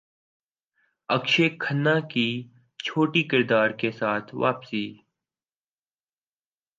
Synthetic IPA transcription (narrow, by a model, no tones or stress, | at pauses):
əkʃeːkʰənːãːkiː | t͡ʃʰoːʈiːkɪɾd̪aːɾkesaːt̪ʰʋa̰ːpsiː